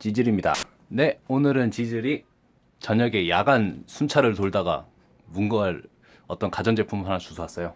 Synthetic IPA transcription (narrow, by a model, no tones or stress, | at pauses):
t͡ɕid͡ʑiɾimɲida̰ | ne̞onɯɾɯnt͡ɕid͡ʑiɾi | t͡ɕʌɲʌɡe̞jaɡansʰunt͡ɕʰaɾɯɭtoɭdaɡa̰ | muŋɡʌɦaɾ | ʌt͈ʌnkad͡ʑʌnd͡ʑe̞pʰumhanat͡ɕusʰoas͈ʌjo